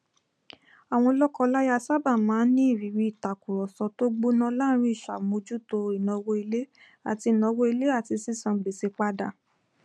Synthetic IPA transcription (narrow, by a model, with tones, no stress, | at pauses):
a˨w̃ɔ̃˧lɔ˦kɔ˦˧la˦ja˦˧˨sa˦ba˦˨mãː˨˦nĩ˦i˦˨ɾi˨ɾi˧˦i˦˨ta˨ku˨ɾɔ˨sɔ˧˦to˦ɡ͡bo˦nã˦la˦ɾ̃ĩ˦i˦˨ʃa˨mo˧d͡ʒu˦to˧i˨nɔ̃˨˧wo˧i˧le˦ | a̰˨ti˧˨nɔ̃˧wo˦i˧le˦a˦˨ti˧si˦sã˧ɡ͡be˨se˧k͡pa˦da˦˨